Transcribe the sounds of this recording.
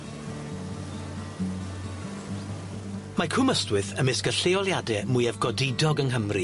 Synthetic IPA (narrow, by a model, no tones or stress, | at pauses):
makʰʊməstwɨθəmɪskəɬeɔlˠjadɛmʊɨɛvɡɔdɪdɔɡənɦəmri